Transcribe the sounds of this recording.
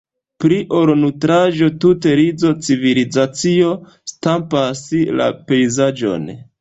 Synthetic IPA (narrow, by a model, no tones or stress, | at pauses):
pɾiʔoɾnutɾaʒo̞tute̞ɾid͡zo̞t͡sivilid͡zat͡sio̞ | stampasila̰pe̞jzad͡ʒo̞̰n